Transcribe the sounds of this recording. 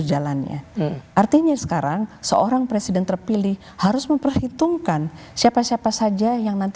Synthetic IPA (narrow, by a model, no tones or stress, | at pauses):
d͡ʒalanɲa̰ʔart̪iɲasə̥kaɾaŋsəoɾaŋpɾesidɛnt̪ərpilɪh | haɾʊsməmpərhit̪uŋkan | siapasiapasad͡ʒajaŋnant̪